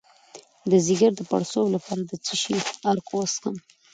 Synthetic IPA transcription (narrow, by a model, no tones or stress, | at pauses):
d̪əzɪɡaɾd̪əpa̰ɽsowlapɑɾad̪ət͡səʃiaɾkowaskəm